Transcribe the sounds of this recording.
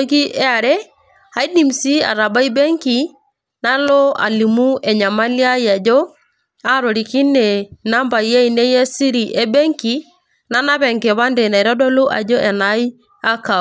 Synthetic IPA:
ɡi˦ʔɛ˦a˨ɾe˦ | a˨i˦di˨msi˦a̰˨ɾa˨ba˦i˦be˦ŋki˨ | na˦lo˦a̰˨li˨mu˦ɛ˨ɲa˨ma˦lja˦i˦a˨d͡ʒo˦ | a˦ɾo˨ɾi˨ki˦ne˨na˦mba˨i˨je˦i˨ne˦je˦si˦ɾi˨ʔe˦be˦ŋki˨ | na˦na˦βɛ˨ŋke˨βa˦nde˨na˨i˨ɾɔ˦dɔ˦lo˦ʔa̰˨d͡ʒo˦ʔɛ˨na˨˦i˦ | a˦ka˨

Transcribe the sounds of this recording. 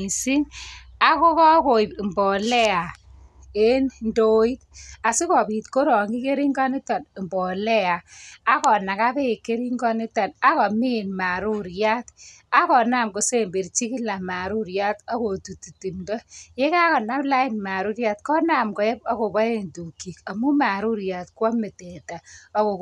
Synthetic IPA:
i˨si˦na˨kɔ˦kɔ˦ko˨i˨mbɔ˨lɛ˦a˨ | e˦nndo˦i˦t̚a˨si˦kɔ˨bi˨tko˦ɾɔ˨ŋɡi˦ke˦ɾi˦ŋɡa˦nɪ˦ta˨n˨mbɔ˨lɛ˦aː˨˦kɔ˨na˨ka˦be˦˨kːe˦ɾi˦ŋɡɔ˦ni˦ta˨na˦kɔ˨mi˦˨nma˨ɾu˦ɾja˦t | a˦kɔ˨na˦˨mko˨se˦˨mbe˨ɾt͡ʃi˦kɪ˦la˨ma˨ɾu˦ɾja˦ta˦ko˨tu˨tu˨ti˨mdɔ˦je˦ka˦kɔ˨na˦pla˦ɪ˦nma˨ɾu˦ɾja˦tkɔ˦na˨mkɔ˨ɛ˦pa˦ko˨bɔ˦e˦ntu˨ki˨ka˨mu˦ma˨ɾu˦ɾja˨tkwɔ˦me˨tɛ˨ta˨a˦ko˨

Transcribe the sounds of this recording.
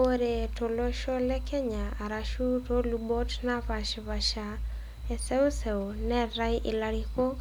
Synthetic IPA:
o˦ɾe˨to˨lo˦ʃɔ˦lɛ˦kɛ˦ɲa˨a˨ɾa˦ʃu˦to˦lu˨bo˦tna˦va˨ʃβa˨ʃa | ɛ˨sɛ˦ʊ˦sɛ˨o˨nɛ˦ɾa˦jʔɪ˨la˧ɾi˦ko˦

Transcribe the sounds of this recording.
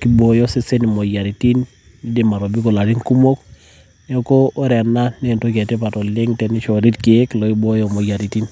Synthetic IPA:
ki˦bo˨jɔ˦se˦se˦ni˨mo˨ja˨ɾi˨ti˦nː | i˦de˨ma˨ɾo˨bi˦ko˨la˨ti˦ŋku˦mo˦k | nɛ˦o˦koː˦ɾɛ˨na˦ne˨nto˦ka˨te˦pa˨tɔ˨lɪ˦ŋtɛ˨ni˦ʃɔ˨ɾi˦tki˨e˦klo˨i˦bo˦jo˦mo˨ja˨ɾi˨ti˦n

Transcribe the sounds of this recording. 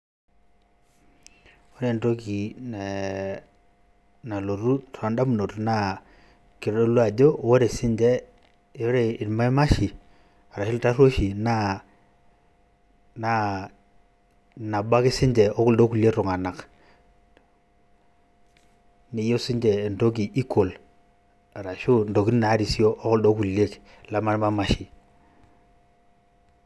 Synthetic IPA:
o˦ɾe˨nto˦ki˨n˨ | na˨lo˨ɾu˦tʰa˨nda˦m˨no˨tna˦ | kɪ˨ɾdo˦lwa˨d͡ʒo˦wo˦ɾe˨sɪ˦ɲd͡ʒɛ˦ | jo˦ɾe˨ɪ˨dma˦i˦ma˦ʃi˨ | a˨ɾa˨ʃɪ˦lta˦ro˦ʃi˨na˦ | na˨ | na˨ba˦ki˦si˦ɲd͡ʒe˨o˦ku˨ldo˦ku˨le˦kɾu˨ŋa˨na˨k | ni˨jo˦si˦ɲd͡ʒe˨ndo˦k̬i˨ʔi˦kʰo˨l | a˨ɾa˨ʃu˦ndo˨ki˦n˦na˨˦ɾi˨si˦jo˦ʔːku˦ldo˦ku˨le˦k | la˦ma˦n˦ma˦ma˦ʃi˨

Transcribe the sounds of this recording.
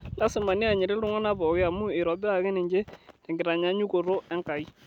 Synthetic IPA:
la˦sɪ˨ma˨nɪ˦a˨ɲɪ˨ɾɛ˦lʊ˦ŋɔ˦na˦bɔ˨kɪ˦a˨mʊ˦ɪ˨ɾɔ˨bɪ˦a˨kɛ˦nɪ˨ɲd͡ʒe˦tɛ˨ŋɡɪ˨ɾa˨ɲa˨˦ɲu˦ko˨ɾo˦ɛ˦ŋka˨i˦

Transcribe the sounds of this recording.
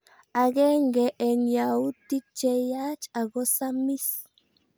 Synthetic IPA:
a˨ɡɛ˦ŋɡɛ˨ʔɛ˨nja˨u˦t̪i˦t͡ʃɛ˦ja˦t͡ʃa˨ɡo˦sa˦mi˦s

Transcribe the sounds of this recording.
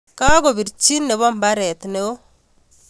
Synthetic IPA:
ka˦ko˨bi˨ɾt͡ʃi˦nːe˨βɔ˦mba˦ɾɛ˨t̪ne˨o˦

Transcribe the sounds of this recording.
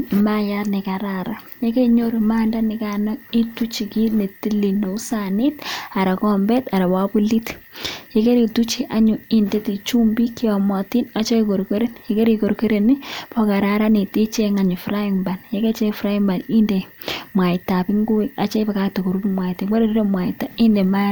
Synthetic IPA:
maja˦tnɛ˨ka˨ɾaɾa˦ | je˦ke˦ɲoɾma˦nda˦nɪ˨kanɔ˦i˦tu˦t͡ʃi˨ki˦ne˨ti˦li˨ne˨u˦sani˦ta˨ɾa˨kɔ˦mbɛ˦ta˨ɾa˨wapu˦litje˦ke˦ɾi˨tu˦t͡ʃi˨ʔa˦ɲu˨inde˦ti˨t͡ʃu˦mbi˦ki˦wa˨mɔti˦na˨t͡ʃe˦iko˨ɾko˦ɾe˦njeke˦ɾi˨ko˨ɾko˦ɾe˨ni˦pɔ˦ka˨ɾa˦ɾa˦ni˨ti˦t͡ʃe˦ŋa˨ɲ˨fɾa˦jiŋba˨nje˦ke˦t͡ʃɛ˦fɾa˦imba˨ni˦nde˨mwa˨ita˨bi˦ŋɡu˦wɛa˨t͡ʃɛ˦ba˨ka˦to˨ku˨ɾu˦bumwa˨ite˨ŋwa˦ɾe˦ɾi˦ɾo˦mwa˨ita˦i˦nde˨ma˦

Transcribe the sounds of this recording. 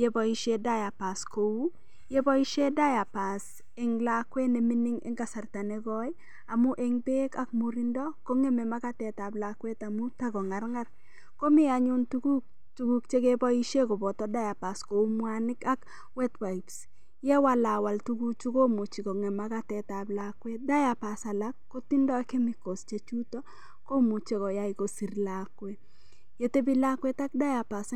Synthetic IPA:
jɛ˦bɔ˨i˦ʃe˦da˦ja˨pa˨sko˨u˦ | jɛ˦bɔ˦i˦ʃe˦da˦ja˨pa˨s | ɛ˨ŋlakwɛ˦nɛ˨mɪ˦nɪ˦ŋɛ̰˦ŋɡa˦sa˨rta˨nɛ˦ɡɔ˦j | a˨mʊ˦ʔɛ˦ŋbe˦ka˨k̚mu˨ɾi˦ndɔ˦ko˦ŋɛ˦mɛ˨ma˦ka˦tɛ˨ta˨blakwɛ˦ta˨mʊ˦ta˦ɡɔ˨ŋa˦rŋa˦r | ko˦mɪ˦a˨ɲʊ˦ntuɡu˦ | tu˨˦ɡu˦kt͡ʃe˦ke˦bɔ˦i˦ʃe˦ko˨bɔ˨tɔ˦da˦ja˨pa˨sko˨u˦mwa˦nɪ˦ka˦k | wɛ˦twa˨i˨ps | jɛ˦wa˦la˨wa˨ltu˦ɡu˦t͡ʃu˦ko˦mu˨t͡ʃi˨ko˨ŋe˨ma˦ka˦tɛ˨ta˨blakwe˦da˦ja˨pa˨sa˨la˦kːo˦ti˦ndɔ˦kɪ˦mɪ˨ko˨st͡ʃe˦t͡ʃu˦tɔ˦ | ko˦mu˨t͡ʃe˦kɔ˨ja˦ɪ˨ko˨si˨ɾlakwe˦ | je˨te˦bi˦la˦kwe˦ta˦k̚da˦ja˨pa˨s

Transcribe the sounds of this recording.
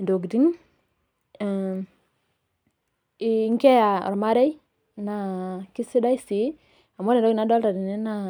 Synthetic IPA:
do˨ɡdi˦ŋ˨˦ | ŋkɛ˦ja˨ɔ̰˨ɾma˦ɾɛ˦j | na˨kɪ˦si˦da˦i˦si˨˦ | a˨mɔ˦ɾe˨do˦ɡna˦dɔ˦lta˨di˨nɛ˦na˨

